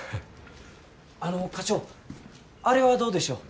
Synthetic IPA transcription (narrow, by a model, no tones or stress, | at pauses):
ano̞kat͡ɕo̞ː | aɾe̞βad̪o̞ːd̪e̞ɕo̞ː